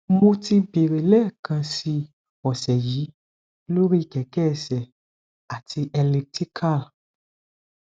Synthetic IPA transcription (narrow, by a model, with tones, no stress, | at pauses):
mo˧ti˧be˨ɾe˨lɛ˦˨kʰã˧si˧ | ɔ˨sɛ˨jiː˨˦ | lo˦ɾi˦˧˨kɛ˨kɛ˦˨sɛ˨ | a˨ti˧ʔɛ˧le˧ti˦kʰa˦˨l